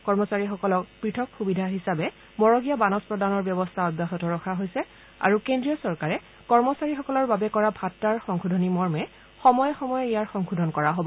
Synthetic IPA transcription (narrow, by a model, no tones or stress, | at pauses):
kɔɹmɔsaɹixɔkɔlɔkpɹitʰɔkxubidʱaɦisabɛ | mɔɹɔɡijabanɔspɹɔdanɔɹbjɔbɔstʰaɔdaxɔtɔɹɔkʰaɦojsɛ | a̰ɹukendɹiɔsɔɹkaɹɛ | kɔɹmɔsaɹixɔkɔlɔɹbabɛkɔɹabʱatːaɹxɔŋxʰudʱɔnimɔɹmɛ | xɔmɔjxɔmɔjijaɹxɔŋxʰudʱɔnkɔɹaɦobɔ